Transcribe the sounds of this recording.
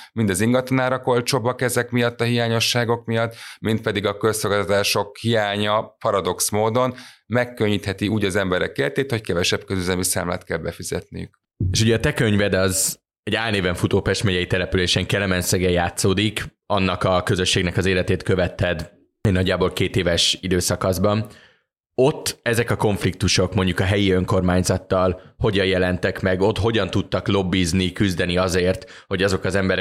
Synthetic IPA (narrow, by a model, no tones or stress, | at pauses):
mind̪ɒziŋɡɒt̪onaːɾɒko̞lt͡ʃo̞bɒkɛzɛkmijɒt̪ːɒɦijaːɲo̞ʃːaːɡo̞kmijɒt̪ːmint̪̚pɛd̪iɡɒkø̞lsolɡaːt̪ɒt̪aːʃo̞khijaːɲɒpɒɾɒd̪o̞ksmoːd̪o̞nmɛkːø̞ɲːit̪hɛt̪iuːɟɒzɛmbɛɾɛkːelt̪eːt̪ho̞ckɛvɛʃɛb̚køzyzɛmisa̰ːmla̰ːt̪kɛlbɛfizɛ̰t̪nḭjy̰k | eːʃuɟɛɒt̪ɛkøɲvɛd̪ɛɒz | ɛɟaːlneːvɛɱfut̪oːpɛʃt̪mɛɟɛjit̪ɛlɛpyleːʃɛŋkɛlɛmɛnsɛɡɛjaːt̪soːd̪ik | ɒnːɒkɒkøzø̞ʃːeːɡnɛkɒzeːlɛt̪eːt̪kø̞vɛt̪ːɛd̪ | enɒɟːaːbo̞lkeːt̪eːvɛʃid̪øːsɒkɒzbɒn | o̞t̪ːɛzɛkɒko̞ɱflik̚t̪uʃo̞kmo̞ɲɟukɒɦɛjiø̞ŋko̞rmaːɲzɒt̪ːɒlho̞ɟɒjjɛlɛnt̪ɛkmɛɡo̞t̪ɦo̞ɟɒnt̪ut̪ːɒklo̞bːiːznikyzd̪ɛniɒzeːrt̪ho̞ɟɒzo̞kɒzɛmbɛɾɛ